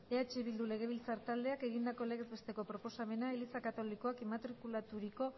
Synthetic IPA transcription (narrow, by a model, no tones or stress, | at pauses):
eat͡ʃiβild̪ule̞ɣ̞e̞βilt͡saɾt̪ald̪e̞ake̞ɣind̪ako̞leɣezβe̞st̪e̞ko̞pɾopo̞same̞naelisakat̪o̞liko̞akemat̪ɾikulat̪uɾiko̞